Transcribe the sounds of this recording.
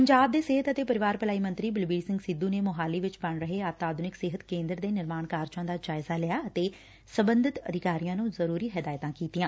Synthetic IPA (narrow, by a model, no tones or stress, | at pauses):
pəɲd͡ʒaːb̚d̪eːsɪɦət̪ət̪eːpəɾɪʋaːɾpəlaːiːmə̃nt̪ɾiːbɪlbiːɖsɪ̃ŋɡsɪd̪ũːneːmʊɦaːliːʋɪt͡ʃbəɳɾəɦeːaːt̪aːd̪nɪksɪɦət̪kẽːnd̪ɾd̪eːnɪɾmaːɳkaːɾt͡ʃãːd̪aːd͡ʒaːɪzaːlɪjaːət̪eː | səbənd̪ɪt̪ə̰d̪ɪkaːɾijãːnũːzəɾuːɾiːɦəd̪aːjt̪ãːkiːt̪iːãː